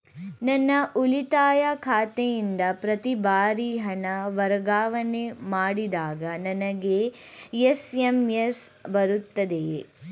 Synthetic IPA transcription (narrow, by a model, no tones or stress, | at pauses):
nɐnːɐʔulit̪aːjɐkʰaːt̪ejind̪ɐpɾɐt̪ibaːɾiɦɐnɐʋɐɾɐɡaːʋɐnemaːɽid̪aːɡɐnɐnɐɡe̞jesemjesbɐɾut̪ːɐd̪e